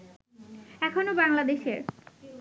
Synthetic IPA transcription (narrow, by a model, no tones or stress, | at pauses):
ɛkʰonobaŋlad̪eʃeɾ